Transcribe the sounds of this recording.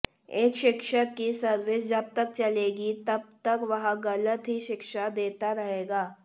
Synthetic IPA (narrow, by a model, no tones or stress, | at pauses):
eːkʃɪkʃəkːisɐɾʋeːsd͡ʒɐb̚t̪ɐk̚t͡ʃɐleːɡit̪ɐb̚t̪ɐkʋɐɦaɡɐlət̪ɦiʃɪkʃad̪eːt̪aɾɐɦeːɡaː